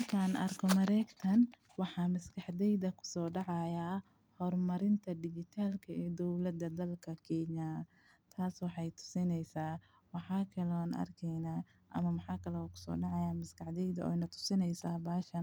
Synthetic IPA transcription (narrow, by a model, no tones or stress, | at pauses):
mɐrkʰaːnʔɐ̰rkʰɔmɐɾɛːɡt̪ʰɐn | wɑħɑːmɪskɑħd̪ɛjðɐkʰʊ̥sɔːɖɑʕɑjaː | hɔrmɐɾɪnt̪ʰɐd̪ɪɡɪt̪ʰaːlkʰɐɛːd̪ɔwlɐd̪ɐd̪ɐlkʰɐkʰɛːɲa | t̪ʰaːswɑħɑjt̪ʰʊ̥sɪnɛjsaː | wɑħɑːkʰɐlɔːnʔɐ̰rkʰɛjnaː | ʔɐ̰mɐmɑħɑːkʰɐlɛkʰʊ̥sɔ̰ːɖɑʕɑjaːmɪskʰɐħd̪ɛjðɐɔ̰jnɐt̪ʰʊ̥sɪnɛjsaːbaːʃɐn